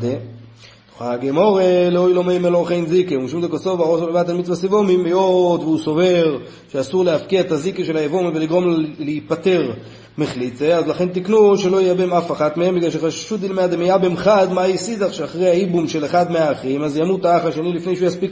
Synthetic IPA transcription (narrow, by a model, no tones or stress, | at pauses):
de̥ | χaɡemo̞ʁeleojlo̞mejmeloʁχejnzikeumʃimd̪ekoso̞vaosolevat̪almid̪t͡svasivomimejot̪veuso̞ve̞ʁ | ʃeasuʁleafkiaet̪azikeʃe̞laevomiveliɡʁo̞mleipat̪e̞ʁ | meχlit͡seazlaχe̞nt̪iknuʃelo̞jeabemafaχat̪mehembiɡlalʃeχaʃʃud̪ilmead̪emijabemχad̪majisizaχʃeaχʁejhaibumʃe̞leχad̪meaːχʁimazjamut̪aaχaʃenilifne̞jʃujaspik